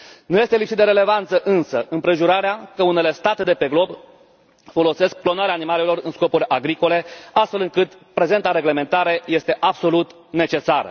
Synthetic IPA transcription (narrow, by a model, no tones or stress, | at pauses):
nuje̞st̪e̞lipsit̪d̪eɾele̞vant̪səʔɨnsəɨmpɾe̞ʒuɾaɾeakəune̞le̞st̪at̪e̞d̪e̞pe̞ɡlo̞b | fo̞lo̞se̞sk̚plo̞naɾeaːnimale̞lo̞rɨnsko̞pulʲʔaɡɾiko̞le̞ast̪fe̞lɨŋkɨt̪ | pɾe̞ze̞nt̪aɾe̞ɡle̞me̞nt̪aɾeje̞st̪e̞ʔabso̞lut̪ | ne̞t͡ʃe̞saɾə̰